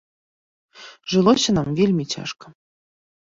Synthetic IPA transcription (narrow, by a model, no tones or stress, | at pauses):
ʒɤ̆lˠoɕɤ̆nɑmvʲilʲmʲit͡ɕɑ̰ʂkɤ̥̆